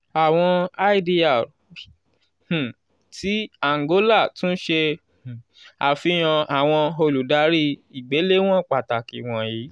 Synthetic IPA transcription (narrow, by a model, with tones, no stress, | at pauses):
a˨w̃ɔ̃˧a˦i˦di˧a˦˨ | h̩˨ | tʰi˨˦a˦˨ŋ˨ɡo˨˦la˦˨tũ˦ʃẽ˧˨ | a˨fi˧˦j̃ã˧a˨w̃ɔ̃˧o˧lu˨da˧˦ɾi˦i˨ɡ͡be˨˦le˦w̃ɔ̃˦˨k͡pa˨ta˨ki˨w̃ɔ̃˧ji˨˦